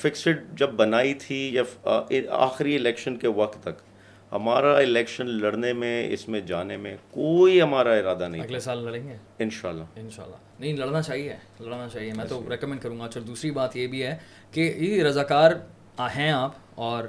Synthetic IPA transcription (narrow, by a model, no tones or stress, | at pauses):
fɪksɪʈ̚d͡ʒɐbːɐnaːit̪ʰijaɪa̰ːxɾiɪlɛːkʃənkeʋɐk̚t̪ːɐk | hɐ̰maːɾaɪlɛːkʃənlɐɽnemẽɪ̰smẽd͡ʒaːnemẽkoːiɦɐmaːɾaɪɾaːd̪anɐɦĩɐɡlesaːlːɐɽẽːŋɡeː | ɪnʃa̰ːlːa̰ːɪnʃa̰ːlːa̰ːnɐɦĩlɐɽnat͡ʃaːɦieɦɛ | lɐɽnat͡ʃaːɦieɦɛmɛ̃ːt̪oɾɛːkmɛ̃ɳɖ̚kɐɾũːŋɡat͡ʃɐɾd̪uːsɾibaːt̪jebʱiɦɛ | keeɾɐzaːkaːɾ | ɦɛ̃aːp | ɔːɾ